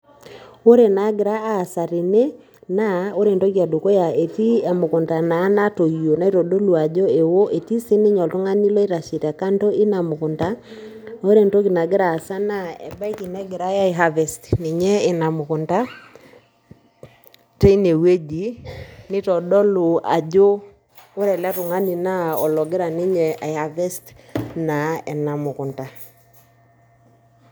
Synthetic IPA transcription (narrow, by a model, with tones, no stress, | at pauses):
o˦ɾe˨na˨˦ɡɪ˨ɾa˦aː˦˨sa˨ɾi˨ne˦ | na˦o˦ɾe˨ntɔ˦ki˨a˨do˨ko˦ja˨e˨ti˦a˨mo˨ko˨nta˨na˨˦na˦to˨io˨na˨e˦tɔ˨do˦lu˨a˨d͡ʒɔ˦e˨wo˦ʔe˨ti˦se˦ne˦ɲɔ˨lto˦ŋa˦ni˦lɔ˦i˦ɾa˨ʃi˨ta˨ka˦nto˦i˦na˨mo˨ko˨nta˦no˦ɾe˦˨nto˦ki˨na˨ɡe˦ɾaː˨sa˦na˦ɛ˨ba˦i˦ki˨nɛ˦ɡe˨ɾa˦ja˦e˨ɦa˦vɛ˨sti̥ne˨ɲɛ˦ɪ˨na˨mʊ˨kʊ˨nta˦ | te˦i˦ne˨we˦d͡ʒi˨nɪ˦tɔ˨dɔ˦lʊ˨a̰˨d͡ʒo˦ | o˦ɾɛ˨la˦tʊ˨ŋa˦ni˨na˦ɔ˨lɔ˨ɡɪ˦ɾa˨nɪ˦ɲɛ˨a˨ɪ˨ha˨vɛ˦stna˨ɛ˨na˨mʊ˨kʊ˨nta˨